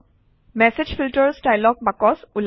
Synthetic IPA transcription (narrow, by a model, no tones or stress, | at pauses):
mɛsed͡ʒfʰilʈəɹsʈajlɔk̚bakɔsul